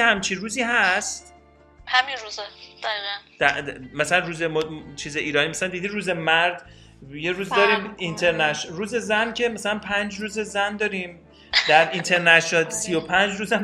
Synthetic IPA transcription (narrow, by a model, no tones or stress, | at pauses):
ehæmt͡ʃʰiruːziːɦæst̪ | hæminɾuːzɛd̪̥æɣiːɣænd̥̪æmæsælænruːzemɔt͡ʃʰiːzeʔiːɾɒːniːmæsælænd̪id̪iːɾuːzemæɾd̪ | jeɾuːzd̪ɒːɾiːmint̪ʰe̞ɾnæʃɾuːze̞zæncʰe̞mæsælænpʰænd͡ʒruːzezænd̪ɒːɾim | d̪æɾint̪ʰe̞ɾnæʃnɒlsijopʰænd͡ʒɾuːzæ